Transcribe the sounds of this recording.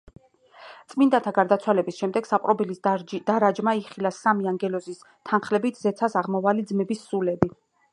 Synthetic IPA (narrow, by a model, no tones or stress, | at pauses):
t̪sʼmind̪at̪ʰaɡaɾd̪at̪sʰwalɛbisʃɛmd̪ɛɡ̥sapʼɾɔbilisd̪̥aɾad͡ʒmaiχilasamiaŋɡɛlɔzis | t̪ʰanχlɛbit̪ʰzɛt̪sʰasaʁmɔvalid̪zmɛbisːulɛbi